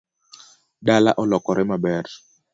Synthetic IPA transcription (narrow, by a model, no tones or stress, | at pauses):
ɗala̰ʔɔlɔkɔɾɛmabɛɾ